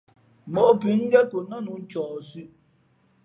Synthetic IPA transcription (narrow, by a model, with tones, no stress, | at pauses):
mɔ˨ʔpi˨˦ŋ̩˦ɡɛ˦ko˨nɔ˦nu˨˦n̩˦t͡ʃɔː˨sʉ˦ʔ